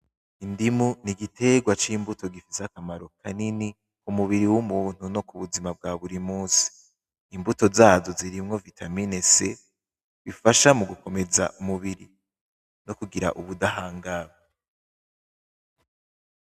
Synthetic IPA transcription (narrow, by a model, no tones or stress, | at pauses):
indimuniɡitʰe̞ɡwat͡ʃiːmbuto̞ɡifizakamaɾo̞kʰanini | kumuβiɾiwumuːn̥uno̞kuβuzimab̚ɡaːβuɾimuːnsi̥ː | mbuto̞zaːzo̞ziɾimŋo̞vitʰaminese | βifaʃamuɡuko̞me̞za̰ʔumuβiɾi | nokuɡiɾa̰ʔuβudaɦaːŋɡaβa